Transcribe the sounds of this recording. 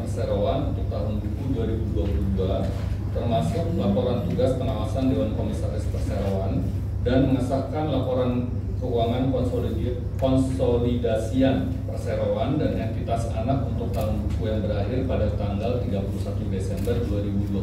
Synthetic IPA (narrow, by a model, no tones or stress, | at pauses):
iseɾoanunt̪ʊk̚t̪aɦʊnbukuduaɾibuduapuludua | t̪ərmasʊk̚lapoɾant̪uɾaspəŋawasandewankomisaɾɪspərseɾoan | danməŋasakanlapoɾan | kəuaŋankɔnsoli | kɔnsolidasian | pərseɾoandanɛnt̪it̪asa̰nakunt̪ʊk̚t̪aɦʊnbukujaŋbəɾahɪrpadat̪aŋɡalt̪iŋɡapulusat̪udesɛmbərduaɾibudua